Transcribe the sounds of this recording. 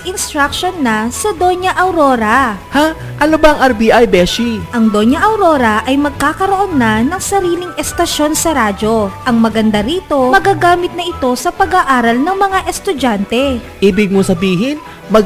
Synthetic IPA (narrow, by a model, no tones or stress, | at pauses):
ʔɪnst̪ɾakʃonːɐsɐd̪o̞ɲɐʔɐwɾoːɾɐ | ha | ʔɐnobɐɐŋʔɐɾbiʔajbɛʃiʔɐŋd̪o̞ɲɐʔɐwɾo̞ːɾɐʔɐjmɐɡ̚kaːkɐɾo̞ʔo̞nːɐnɐŋsɐɾiːlɪŋʔɛst̪ɐʃo̞nsɐɾaːd͡ʒo̞ʔɐŋmɐɡɐnd̪aɾiːt̪o̞mɐɡaːɡaːmɪt̪̚nɐʔɪt̪o̞sɐpɐɡaʔaːɾɐlnɐŋmɐŋaʔɛst̪ʊd͡ʒant̪ɛʔiːbɪɡ̚mosɐbiːɦɪn | mɐɡ